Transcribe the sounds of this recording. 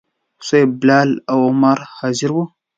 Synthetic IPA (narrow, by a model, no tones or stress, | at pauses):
sajblalawamaɾhaziɾwo